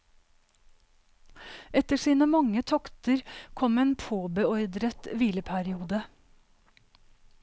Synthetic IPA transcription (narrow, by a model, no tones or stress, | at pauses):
ɛt̪əsiːnəmɑŋət̪ʰɔkt̪əɾkʰɔmeːnpʰoːbəɔʏd̪ɾət̪ʋiːləpʰæɾɪuːd̪ə